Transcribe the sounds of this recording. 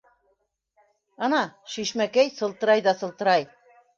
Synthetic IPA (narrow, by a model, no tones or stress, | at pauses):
ɑnɑʃiʃmækæjsɤ̆lˠt̪ɤ̆ɾɑjðɑsɤ̆lˠt̪ɤ̆ɾɑj